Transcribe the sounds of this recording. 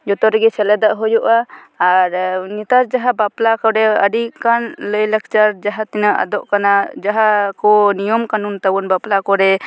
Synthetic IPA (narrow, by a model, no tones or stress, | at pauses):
d͡ʒɔt̪ɔɾɡɛsɛlɛd̪aʔɦɔjɔʔaː | ɾnit̪aɾd͡ʒaɦabaplakɔɾɛəɖikanləjlak̚t͡ʃaɾd͡ʒaɦat̪inaʔa̰d̪ɔʔkanad͡ʒaɦakɔnijɔmkanunt̪abɔnbaplakɔɾɛ